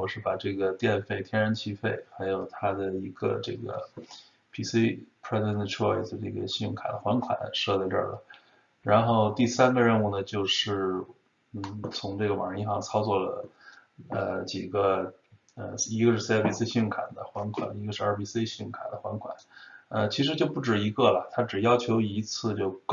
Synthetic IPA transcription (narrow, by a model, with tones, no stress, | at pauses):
wɔ˨˩ʂɻ̩˥˩pa˨˩ʈ͡ʂɤ˥˩ɡə˩t̪jɛ˥˧nfe˥˩ɪt̪ʰjɛ˥nɻə˧˥nt͡ɕʰi˥fe˥˩ɪxa˧˥ɪjo˨˩ʊt̪ʰa˥d̪ə˨i˧˥ɡə̰˧ʈ͡ʂɤ˥˩ɡə̰˩ | pʰi˧˩si˥pʰɹɛ˥znʈ͡ʂʰɔ˥˧ɪ˩sə˧ʈ͡ʂɤ˥˧˩ɡə̰˩ɕy˥˩ŋkʰa˨˩d̪ə˦xwa˧˥nkʰwa̰˨˩˦nʂɤ˥˧zʈ͡ʂə̰˞˥˩lə̰˩ | ɻa˧˥nxo˥˧ʊt̪i˥˩sa˥nɡə˧ɻə˥˧nu˥˩nə˩t͡ɕjo˥˧ʊʂɻ̩˥˩ | n̩˥˩t͡sʰʊ˧˥ŋʈ͡ʂɤ˥˩ɡə˩wɑ˨˩ŋɻə˧˥i˥ʂɑ˥˧˩ŋt͡sʰɑ˥ʊt͡swɔ˥˩lə̰˩ | ə˧t͡ɕi˨˩ɡə˦ | ə˧i˧˥ɡə˧ʂɻ̩˥˧spʰi˨˩si˥ɕy˥˧˩ŋkʰa̰˨˩nd̪ə̰˦xwa˧˥nkʰwa̰˨˩˦ni˧˥ɡə˧ʂɻ̩˥˧ə˞˧˩pi˧˩se˥ɪɕy˥˩ŋkʰa˨˩d̪ə˦xwa˧˥nkʰwa̰˨˩˦nə˧t͡ɕʰi˧˥ʂɻ̩˧˥t͡ɕjo˥˧ʊpu˥˩ʈ͡ʂɻ̩˨˩i˧˥ɡə˥˩lə˩t̪ʰa˥ʈ͡ʂɻ̩˨˩jɑ˥ʊt͡ɕʰjo˧˥ʊi˧˥t͡sʰɹ̩˥˧t͡ɕjo˥˧ʊk